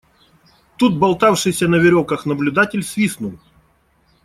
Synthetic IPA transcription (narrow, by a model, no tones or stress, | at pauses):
t̪ut̪̚bɐlˠt̪afʂɨjsʲɐnəvʲɪɾʲokəxnɐblʲʊd̪atʲɪlʲsʲvʲisnʊlˠ